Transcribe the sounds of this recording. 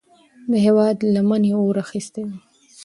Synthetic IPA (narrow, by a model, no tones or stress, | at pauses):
d̪əɦewɑd̪lamaneoɾaxist̪ewi